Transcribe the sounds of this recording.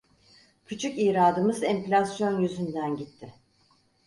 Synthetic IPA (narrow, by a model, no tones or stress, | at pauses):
cʰyt͡ʃʰyciːɾaːd̪ɯmɯzɛmflʲasjo̞njyzynd̪ænɟit̪ʰːɪ